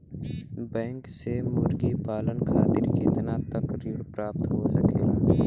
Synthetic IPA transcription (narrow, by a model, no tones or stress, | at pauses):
bɛ̃ːŋksemʊɾɡipaːlənkʰa̰ːt̪ɪɾket̪nat̪əkɾiːɽpɾaːp̚t̪ɦosəkeːnaː